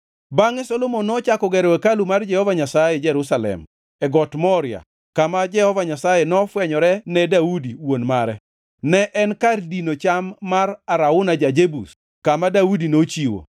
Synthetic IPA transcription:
baŋɛsɔlomonːɔt͡ʃakɔɡɛɾwɛkalumard͡ʒɛhɔvaɲasajɛd͡ʒɛɾusalɛ̰m | ɛɡɔtmɔɾɪa̰ | kamad͡ʒɛhɔvaɲasajɛnɔfwɛɲɔɾɛnɛdaudiwonmaɾɛ | nɛʔɛnkardinot͡ʃamːaraɾaʊnad͡ʒad͡ʒebṵs | kamadaudinot͡ʃiwo̰

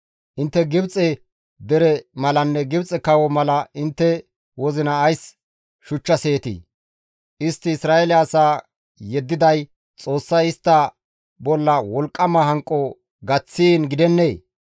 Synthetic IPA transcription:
ʔɪnt̪ːɛɡɪbt͡sʼɛ | d̪ɛɾɛmɐlɐnːɛɡɪbt͡sʼɛkɐwɔmɐlɐʔɪnt̪ːɛ | wɔzɪnɐːjs | ʃʊt͡ʃːɐse̞ːt̪ḭ | ʔɪst̪ːɪːsɾaːɛlɪːsaː | jɛd̪ːɪd̪ɐj | t͡sʼo̞ːsːɐjɪst̪ːɐ | bɔlːɐwɔlkʼːɐmɐhɐŋkʼːɔ | ɡɐt͡sːiːnɡɪd̪ɛnːeː

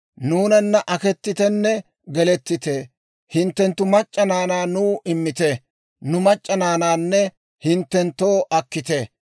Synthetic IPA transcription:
nuːnɐnːɐʔɐkɛt̪ːɪt̪ɛnːɛ | ɡɛlɛt̪ːɪt̪eː | hɪnt̪ːɛnt̪ːʊmɐt͡ʃʼːɐnaːnaːnuːʔɪmːɪt̪ɛ | nʊmɐt͡ʃʼːɐnaːnaːnːɛ | hɪnt̪ːɛnt̪ːoːʔɐkːɪt̪e

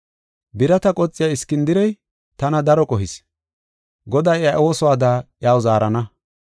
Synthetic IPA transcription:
bɪɾɐt̪ɐkʼɔt͡sʼːɪjaɪskːɪnd̪ɪɾɛj | t̪ɐnɐd̪ɐɾɔkʼɔɦɪs | ɡɔd̪ɐjaʔo̞ːsɔwaːd̪aʔɪjaːwzaːɾɐnɐ

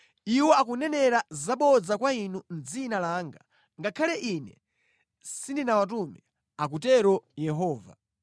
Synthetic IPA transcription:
iwɔakunɛnɛɾazaɓɔd͡zakwainund͡zinalaːŋɡa | ŋɡakʰalɛʔinɛ̰ | sindinawat̬umɛ | ak̬utɛɾɔjɛɦɔːva̰

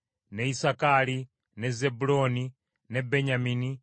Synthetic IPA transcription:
nɛisakali | nɛzɛbulɔni | nɛbɛɲamini

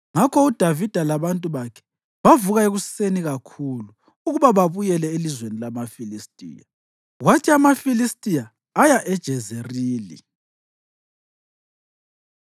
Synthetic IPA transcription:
ŋakʰɔud̥ʱavid̥ʱalaβantʼuβakʰɛ̥ | βavuɣaeɣuseniɣakʰuluː | ɣuβaβaβujɛlɛelizwenilamafilistʼḭːja | ɣwatʰiamafilistʼijaː | jaʔɛd̥ʒ̥ʱɛzeriːlḭ

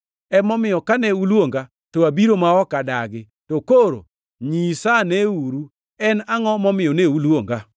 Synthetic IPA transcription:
ɛmɔmɪjɔkanɛulwoŋɡa | toabiɾomaɔkadaɡɪ | tokoɾo̰ | ɲisanɛuɾu | ɛnaŋɔmɔmɪjɔneulwoŋɡa

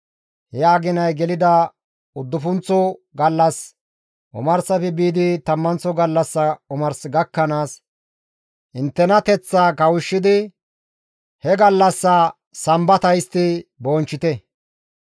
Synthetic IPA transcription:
hɛjaːɡɪnɐjɡɛlɪd̪ɐ | ʊd̪ːʊfʊnt͡sːɔɡɐlːɐs | ʔʊ̰mɐɾsɐfɛbiːd̪ɪt̪ɐmːɐnt͡sːɔɡɐlːɐsːɐʊmɐɾsɡɐkːɐnaːs | ʔɪnt̪ːɛnɐt̪ɛt͡sːaːkɐwʊʃːɪd̪ɪ | hɛɡɐlːɐsːɐ | sɐmbɐt̪ɐjst̪ɪboːnt͡ʃːɪt̪ɛ

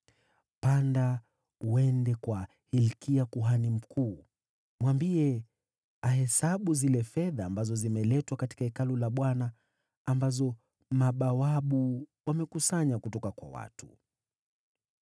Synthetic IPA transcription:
panda | uwɛndɛkwa | hilkiakuɦanim̩kʰuː | mwambiɛ | aɦɛsaɓuzilɛfɛðaːmbazɔzimɛlɛtwakati̥kaɛkalulaɓwanaː | mbazɔ | maɓawaɓuwamɛkusaɲakutɔkakwa̰wa̰tu̥̰

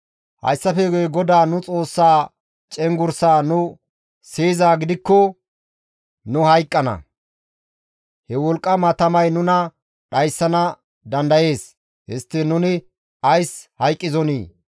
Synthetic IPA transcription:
hɐ̰jsːɐfɛɡjɡɔd̪aːnʊt͡sʼo̞ːsːaː | t͡ʃʼɛŋɡʊɾsaːnʊ | seːzaːɡɪd̪ɪkːɔ | nʊhɐjkʼːɐnɐ̰ | hɛwɔlkʼːɐmɐt̪ɐmɐjnʊnɐ | ɗɐjsːɐnɐ | d̪ɐnd̪ɐje̞ːs | hɪst̪ːɪnʊnɪ | ɐjshɐjkʼːɪzɔnḭː

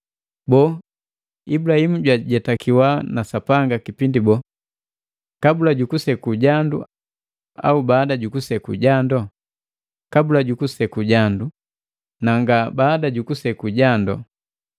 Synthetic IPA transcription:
bɔ | ibulahimuɟwaɟɛtakʰiwanasapaŋɡakipindibɔ | kabulaɟukusɛkuɟandṵ | a̰ubaːdaɟukusɛkuɟandɔ | kabulaɟukusɛkuɟandu | naŋɡabaːdaɟukusɛkuɟandɔ̰

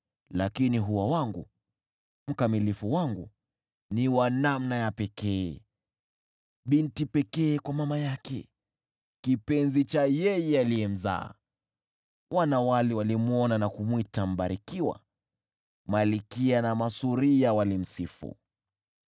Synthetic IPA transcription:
lakiniɦuwawaŋɡu | m̩kamilifuwaŋɡu | niwanamnajapɛkɛː | ɓintipɛkɛːkwamamajakɛ̰ | kipɛnzit͡ʃajɛjɛaliɛm̩za̰ː | wanawaliwalimuɔnanakumwitam̩ɓaɾikiwa̰ | malikianamasuɾijawalim̩sifṵ

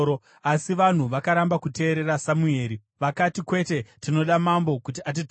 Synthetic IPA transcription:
o | asiʋan̤uʋakaɾambakute̞ːɾe̞ɾasamue̞ːɾi | ʋakatikwe̞te̞tino̞ɗamambo̞kutiat̬it

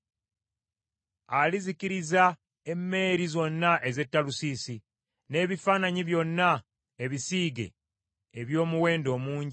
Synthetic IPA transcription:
aliziciɾiza | e̞mːe̞ːɾizo̞nːaʔe̞ze̞tːalusisi | ne̞ːβifaːnaɲiβjo̞nːa | e̞βisiːɡe̞̰ː | βjo̞ːmuwe̞ːndo̞ːmuːɲɟi

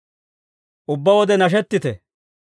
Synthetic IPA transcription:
ʔʊbːɐwɔd̪ɛnɐʃ̬ɛt̪ːɪt̪ɛ

